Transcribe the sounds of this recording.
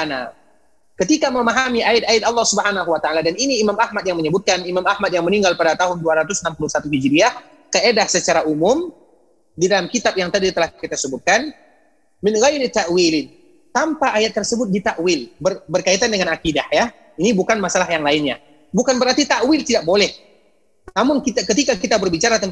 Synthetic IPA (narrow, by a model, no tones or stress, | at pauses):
ana | kət̪ikaməmaɦamiʔaɪt̪̚ajat̪alːɑhsubəɦanaɦuwat̪aʔaladaniniːmamahmat̪̚jaŋməɲəbʊt̪̚kanimamahmat̪̚jaŋməniŋɡalpadat̪aɦʊnduaɾat̪ʊsənampuluhsat̪uɦid͡ʒɾiah | kəedahsət͡ʃaɾaʔumʊm | didalamkit̪ap̚jaŋt̪adit̪əlahkit̪asəbʊt̪̚kan | mɪnɣajulit̪ːaʔwilɪ | t̪ampaʔːjat̪ːərsəbʊt̪̚dit̪aʔwɪlbərbərkait̪andəŋanakidahja | inibukanmasalaɦjaŋlaɪnɲa | bukanbəɾart̪it̪aʔwɪlt̪idak̚bolɛh | namʊŋkit̪akət̪ikakit̪abərbit͡ʃaɾat̪ən